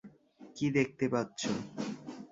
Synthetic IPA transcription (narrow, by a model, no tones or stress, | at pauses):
kid̪ek̚ʰt̪epatːɕʰo